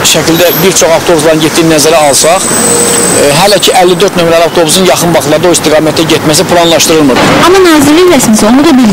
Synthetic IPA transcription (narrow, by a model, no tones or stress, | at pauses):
ʃæcʰild̪æbiɾt͡ʃʰo̞χɑvt̪ʰo̞buslˠɑɾɯnɟet̪ʰːiːnæzæɾæɑlˠsɑχ | ɦælæcʰiʔælːid̪øɾt̪nø̞mɾæliɑkt̪ʰo̞buzunjɑχɯnbɑχlˠɑɾd̪ɑo̞ist̪iɡɑːmæt̪ʰæɟet̪mæs̬ipʰlˠɑnlˠɑʃt̪ɯɾɯlˠmɯd̪ɯɑmɑnɑːziɾlːijlæsinsonud̪ɑbil